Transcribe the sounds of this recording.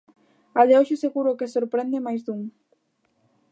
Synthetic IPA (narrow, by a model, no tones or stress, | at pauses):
aleɔʃeseɣuɾokesoɾpɾend̪emajzd̪uŋ